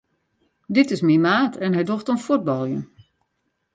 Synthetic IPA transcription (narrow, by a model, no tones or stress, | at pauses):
dɪtɪsmimaːtʰɛnɦɛjdoxtənfut̚bɔlˠjə̰n